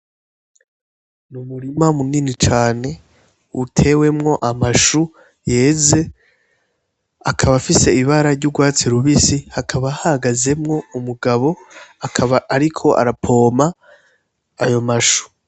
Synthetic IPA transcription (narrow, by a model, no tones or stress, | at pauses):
numuɾimamuninit͡ʃaːne̞ | utʰe̞we̞mŋo̞ʔamaʃu | je̞ːze̞ | akʰaβafise̞iβaɾaɾɟuɡwaːt͡siɾuβisihakʰaβahahaɡaze̞mŋo̞umuɡaβo̞aaaɾikʰo̞ʔa̰ɾapʰo̞ːmaː | jo̞maʃu̥